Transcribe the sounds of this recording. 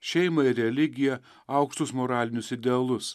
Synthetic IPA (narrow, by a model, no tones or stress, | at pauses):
ʃʲɛɪmɐɪɾʲɾʲɛlʲɪɡʲɪjɛ | ɐˑʊkʃt̪ʊsmoɾɑːlʲɪnʲʊsɪd̪ʲɛɐlˠʊs